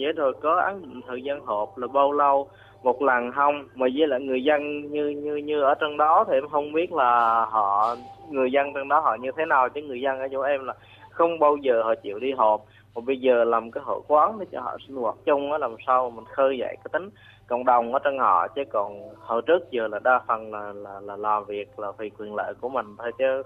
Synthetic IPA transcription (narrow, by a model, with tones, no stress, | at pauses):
zə˨˦t̪ʰo˨˩jkɔ˨˦ʔa̰ː˨˦nɗḭ̈˧˨ŋ̟t̪ʰəː˨˩jzaː˧nɦo˨˩p̚laː˨˩ɓa˧wlə˧w | mo˨˩t̚laː˨˩ŋɦa˧wŋ͡mmaː˨˩zə˨˦la̰ː˧˨ŋɨ˨˩əjzə˧nɲɨ˧ɲɨ˧ɲɨ˧ʔəː˧˩t͡ɕɔ˧ŋ͡mɗɔ˨˦t̪ʰi˨˩ʔɛ˧mɦə˧wŋ͡mɓi˦˥ət̚laː˨˩ɦɔ̰˧˨ŋɨ˨˩əjzə˧nt͡ɕɔ˧ŋ͡mɗɔ˨˦ɦɔ̰˧˨ɲɨ˧t̪ʰe˨˦naː˨˩wt͡ɕə˨˦ŋɨ˨˩əjzə˧nʔəː˧˩t͡ɕu˧˩ʔɛ˧mlaː˨˩ | xə˧wŋ͡mɓa˧wzəː˨˩hɔ̰˧˨t͡ɕḭ˧˨əwɗi˧ɦo˨˩m | kɔ˨˩ɓə˧jzəː˨˩laː˨˩mkaː˨˦jɦo̰˧˩jkwaː˨˦ŋt̪ʰi˨˩t͡ɕɔ˧˦hɔ̰˧˨si˧nwa̰ː˧˩k̚t͡ɕʊ˧ŋ͡mʔaː˨˦laː˨˩msaː˧wma˨˩mï˨˩ŋ̟xəː˧jza̰˧˩˨jkaː˨˦jt̪ï˨˦ŋ̟ | kə̰˧˨wŋ͡mɗə˨˩wŋ͡mʔəː˧˩t͡ɕɔ˧nhɔ̰˧˨t͡ɕə˨˦kɔ˨˩nhəː˧˩t͡ɕɨ˦˥k̚zəː˨˩laː˨˩ɗaː˧fə˨˩nlaː˨˩laː˨˩laː˨˩laː˨˩mvi˨˩ək̚laː˨˩t̪ʰi˨˩kwi˨˩ənlə̰ː˧˨ku˧˩əmï˨˩ŋ̟t̪ʰo˧jt͡ɕə˨˦